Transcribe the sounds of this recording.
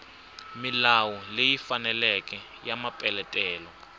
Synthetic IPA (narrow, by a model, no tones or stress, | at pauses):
milawɔlejifanɛlɛk̬ʼɛ | jamapʼɛlɛtʼɛːlɔ